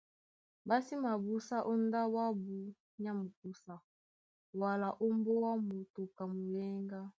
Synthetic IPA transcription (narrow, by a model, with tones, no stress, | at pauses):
ba˦si˦ma˨bu˦sa˦ʔo˦nda˦wa˦bu˦ | ɲ˦a˦mu˨k̚u˦sa˨ | wa˨la˨ʔo˦mbo˦wa˦mo˨to˨ka˨mu˨lɛ˦ŋɡa˦